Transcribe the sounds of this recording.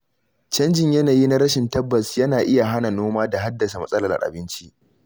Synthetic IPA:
t͡ʃɐ˦nd͡ʒɪ˨ɲjɐ˦naː˨ji˦na˦ɾɐ˦ʃɪ˨ntɐ˦bːɐ˨sjɐ˦naː˨ʔɪ˦ja˨ɦa˦na˨noː˦maː˦da˨ɦa˦dːɐ˨sa˨mɐ˦sʼɐ˦lɐ˨ʔa̰˨ʔa̰˨bɪ˦nt͡ʃi˦ʔ

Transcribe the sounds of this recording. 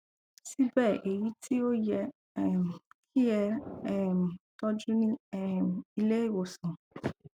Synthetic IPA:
si˦bɛ˦˨ʔe˨ji˨˦tʰi˦o˦jɛ˧˨ | kʰi˦jɛ˧ɛ˦˨m˨tɔ˧d͡ʒũ˦nĩ˦ɛ˦˨i˧le˦e˦˨wo˨sũ˨

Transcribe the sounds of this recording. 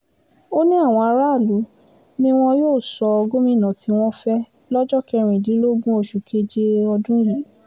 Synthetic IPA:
o˦nĩ˦a˦˨w̃ɔ̃˧a˧ɾa˦˨lu˨˦ | nĩ˦w̃ɔ̃˧joː˦˨sɔ˧ɔ˧ɡo˦mĩ˦˨nã˨ti˧˦w̃ɔ̃˦fɛ˦ | lɔ˦d͡ʒɔ˦kɛ˧ɾ̃ĩ˨dĩ˨˦lo˦ɡũ˦o˧ʃu˨kʰe˦d͡ʒe˦ɔ˧dũ˦jã˨˦

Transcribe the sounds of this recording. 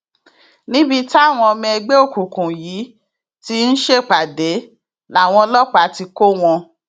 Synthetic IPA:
nĩ˦bi˧ta˦˨w̃ɔ̃˧ɔ˧mɛ̃˧ɛ˧ɡ͡be˦o˦˨ku˨kũ˨ji˨˦ | ti˦n̩˦ʃe˦˨k͡pa˨de˨˦ | la˨w̃ɔ̃˧lɔ˦k͡pa˨˦˨ti˧ko˦w̃ɔ̃˧

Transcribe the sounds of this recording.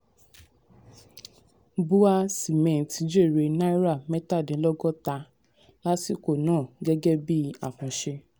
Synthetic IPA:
bu˦a˦si˨mɛ̃˨n˨tʰi˨˦d͡ʒe˦˨ɾe˧nã˦i˦ɾa˦˨mɛ̃˦ta˦˨dɛ̃˨˦lɔ˦ɡɔ˦ta˧ | la˦si˦˨ko˦˨nãː˦˨ɡɛ˦ɡɛ˦bi˦a̰˨kũ˧ʃe˧

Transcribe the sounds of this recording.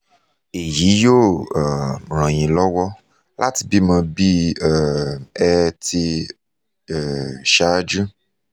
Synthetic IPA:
e˨ji˨˦jo˦˨ | ɾ̃ã˨j̃ĩ˨lɔ˦wɔ˦ | lʔa̰˦tbi˦mã˧bi˦˨ | ɛ˧ti˧˨ | ʃa˦d͡ʒu˦

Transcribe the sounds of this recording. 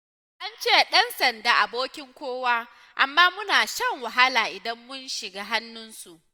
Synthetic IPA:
ʔa˦nt͡ʃeː˦ɗɐ˦nsɐ˨ndaː˨ʔa˨boː˦kʲɪ˦ŋkʷoː˦waː˦ | ʔa˨mːaː˦mʊ˦naː˨ʃɐ˦ŋwa˨ɦa˦laː˨ʔɪ˨dɐ˦mːʊ˦nʃɪ˨ɡaː˦ɦa˦nːʊ˦nsu˨ʔ

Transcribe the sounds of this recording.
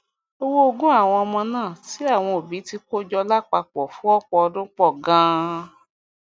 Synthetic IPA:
o˧wo˦o˧ɡũ˦a˦˨w̃ɔ̃˧ɔ˧mɔ̃˧nãː˦˨ti˨˦a˦˨w̃ɔ̃˧o˨bi˨˦ti˦ko˦d͡ʒɔ˧la˦k͡pa˧k͡pɔ˨fũ˨˦ɔ˦k͡pɔ˧ɔ˧dũ˦k͡pɔ˦˨ɡã˧˦

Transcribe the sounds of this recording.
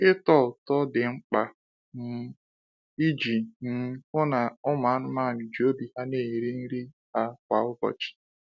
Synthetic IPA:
ɪ˦tɔ˦˨ltɔ˦dɪ˨ŋ͡m̩˦k͡pa˨ | n̩˦˨ | i˦d͡ʒi˨n̩˦kʊ˦na˨ʊ˦ma˨˦n̩˦ma˦˨n̩˨d͡ʒo˦bi˨ha˦ne˦˨i˨ɾi˦n̩˦ɾi˦ | ha˦kʷa˨ʊ˦bɔ̰˨t͡ʃi̥˨

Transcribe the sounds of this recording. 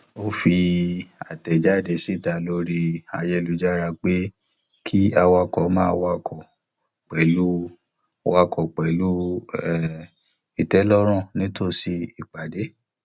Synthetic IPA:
o˦fi˧a˨tɛ˨d͡ʒa˦˨de˧˨si˦˨ta˨lo˦ɾi˧a̰˧jɛ˧lu˧˦d͡ʒa˦ɾa˧k͡pe˦ | kʰi˦a˧wa˧kɔ˨˦mãː˦wa˧kɔ˨ | k͡pɛ˨lu˦ | wa˧kɔ˨k͡pɛ˨lu˦ɛ˦˨ | i˨tɛ˨˦lɔ˦ɾ̃ɔ̃˦˨nĩ˦to˦˨si˧i˨k͡pa˨de˨˦

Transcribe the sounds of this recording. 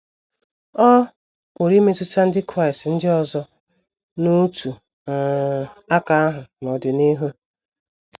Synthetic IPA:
ɔ˦ | o˨ɾi˦me˦tʊ˦ta˦n̩˦dɪ˦kɾa˦ɪ˨stn̩˦dɪ˦ɔ˨zɔ˦ | no˦tu˨ | a˦ka˦a˦ɦʊ˨nɔ˨dɪ˨ni˦ɦu˦

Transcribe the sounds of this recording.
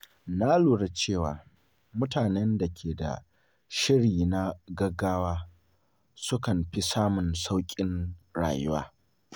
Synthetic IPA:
na˦luː˨ɽe˦t͡ʃeː˦˨waː˨ | mʊ˦taː˨nɛ˦nda˨kʲʰeː˨da̰˨ | ʃɪ˦ɽiː˨na˦ɡɐ˦ɡːaː˦waː˦ | sʊ˦kɐ˨mɸi˦saː˦mʊ˨nsa˦wkʲʼɪ˦nɽa̰ː˨jʊ˦wa̰ː˦

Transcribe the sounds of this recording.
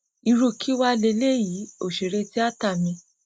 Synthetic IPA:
i˧ɾu˧kʰi˦wa˦le˧le˦ji˨˦o˨ʃe˨ɾe˧ti˦a˦ta˦˨mĩ˧

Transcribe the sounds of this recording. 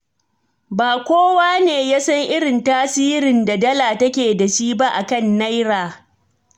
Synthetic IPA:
baː˨kʷoː˦waː˦neː˨jaː˦sɐ˦ŋʔɪ˦ɽɪ˨ntaː˦siː˦ɾɪ˨nda˨dɐ˦laː˨tɐ˦kʲeː˨da˨ʃiː˦ba˦ʔa˨kɐ˦˨nːa˦jɾaː˨

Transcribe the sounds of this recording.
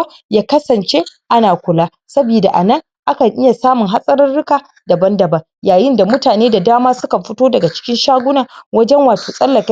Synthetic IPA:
jaː˦kɐ˦sɐ˨nt͡ʃe˦ʔa˦naː˨kʷʊ˨laː˦ | sɐ˦biː˨da˨ʔa˨nɐ˦ŋ | ʔa˦kɐ˨ŋʔɪ˦ja˨saː˦mʊ˨ŋɦa˦sʼɐ˦ɾɐ˦nɽʊ˦kaː˨ | dɐ˨bɐ˦ndɐ˨bɐ˦ŋ | jaː˨jɪ˦nda˨mʊ˦taː˨neː˦da˨daː˦maː˦sʊ˦kɐ˨mɸʊ˦toː˦dɐ˨ɡa˨t͡ʃɪ̥˦kʲɪ˦nʃaː˦ɡʷʊ˦naː˨wɐ˦d͡ʒɛ˦ŋwaː˨soː˨sʼɐ˦lːɐ˨kʲ

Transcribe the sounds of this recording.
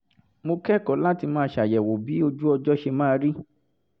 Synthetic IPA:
mo˧kɛ˦kɔ˨˦la˦ti˧mãː˦˧˦ʃa˨jɛ˨wo˨bi˨˦o˧d͡ʒu˦ɔ˧d͡ʒɔ˦ʃe˧mãː˦˧ɾi˦

